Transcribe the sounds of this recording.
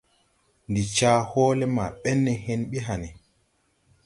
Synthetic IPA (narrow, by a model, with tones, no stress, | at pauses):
ndi˨t͡ʃaː˦hɔː˦lɛ˦ma˨ɓɛ˦nːɛ˨hɛ˦nɓi˦ɦa˨ni˨